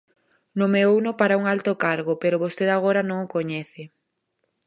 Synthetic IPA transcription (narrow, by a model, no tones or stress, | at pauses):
nomeownʊpaɾauŋalt̪okaɾɣopeɾʊβost̪eðaɣ̞oɾanõŋokoɲɛθɪ